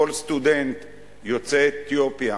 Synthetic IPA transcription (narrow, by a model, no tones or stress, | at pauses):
olst̪ud̪ent̪ | jot͡seet̪jopija